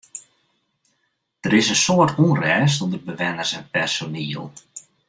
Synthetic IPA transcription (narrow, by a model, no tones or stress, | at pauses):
d̥əɾɪsənsoərtuənrɛːs̬ɔndərbəʋɛnərsɛnpɛrsoniːəlˠ